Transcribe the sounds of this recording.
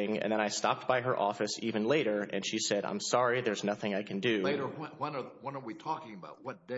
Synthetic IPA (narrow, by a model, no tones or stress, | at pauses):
ɪ̃ŋɨ̰̃nðɨ̃ɾ̃aɪstɑ̰p̚t̚b̥aɪə˞ʔɔfɨsivɨ̃nleɪɾə˞ʔɨ̰̃nʃisɛɾã̰ɪ̃msɑɹiðə˞znʌθɪ̃ŋaɪkʰɨ̃n̩dʉleɪɾə˞wɛ̃wɛ̃nə˞wɛ̃nə˞witʰɔkɪ̃ŋəbaʊt̚wʌt̚d̥